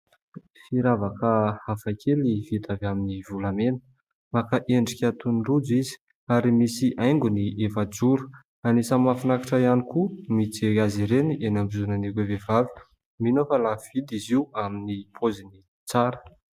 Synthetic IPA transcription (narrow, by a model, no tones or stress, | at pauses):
fiɾavakəhafakʰeliv̥it̪avaminivulamenə | makaʔeɳɖ͡ʐikʲat̪unrud͡zizi̥ | aɾimisiʔajŋɡuniʔefad͡ʒuɾu̥ | anisəmafinakaʈ͡ʂaianikumit͡seaziɾeniʔenambizunanikevevavi̥ | minofalav̥id̪iziuaminipʰozini | t͡saɾə̥